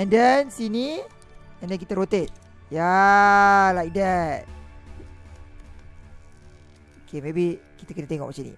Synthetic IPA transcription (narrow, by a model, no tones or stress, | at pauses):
ɛndɛnsini | ɛndɛnkit̪aɾot̪et̪̚ | ja | laidɛt | okemebikit̪akənat̪eŋɔ̰ksinḭ